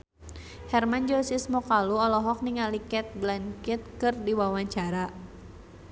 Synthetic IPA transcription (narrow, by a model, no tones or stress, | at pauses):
hɛrmand͡ʒɔsismɔkaluɔlɔɦɔk̚niŋalikɛt̪̚blankɪt̪̚kɨrdiwawaɲt͡ʃaɾa